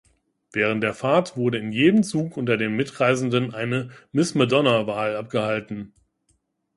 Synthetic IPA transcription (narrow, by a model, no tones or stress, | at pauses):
v̥ɛːʁ̞əntd̥eːɐfaɐtv̥ʊɐɾəɪnjeːdəmt͡suːkʔʊntɐdeːnmɪtʁaɪzn̩dənʔaɪnəmɪsmɛdɔnɐvaːlap̚ɡ̥əhaltn̩